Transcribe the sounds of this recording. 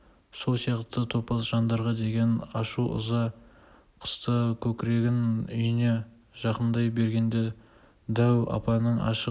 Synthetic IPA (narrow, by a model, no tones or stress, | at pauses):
so̞lˠsijɑqt̪ət̪ʰo̞pɑsʒ̥ɑnd̪ɑɾʁɑd̪e̞ɡʲe̞nɑʃuʔʊ̰zɑ | qʰə̥st̪əkʲʰɵkʲɪɾe̞ɡʲɪnʏjɪne̞ | ʒ̥ɑqənd̪ɑjbe̞ɾɡʲe̞nd̪e̞ | d̪æwɑ̰pɑnəɴɑ̰ʃə